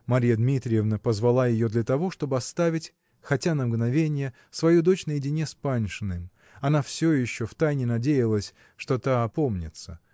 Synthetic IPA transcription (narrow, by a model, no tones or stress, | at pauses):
mɐɾʲijəd̪mʲit̪ɾʲɪjɪvnəpəzvɐlˠajɪjo̞d̪lʲɐt̪ɐvo̞ʂt̪o̞bɨɐst̪avʲɪtʲ | xɐtʲanəmɡnɐvʲenʲɪjə | svɐjud̪o̞t͡ɕnəjɪdʲɪnʲespanʲʂɨnɨm | ɐnafsʲojɪɕːoft̪ajnʲɪnɐdʲejɪlˠəsʲ | ʂt̪o̞t̪aɐpo̞mnʲɪ̰t̪sə